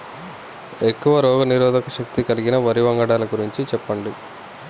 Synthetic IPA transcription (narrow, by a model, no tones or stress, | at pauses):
e̞kːuʋɐɾɔːɡɐniɾɔːd̪ʱɐkɐʃɐkt̪ikɐliɡinɐʋɐɾiʋɐŋɡɐɽaːlɐɡuɾiɲt͡ʃit͡ʃɛpːɐɳɖi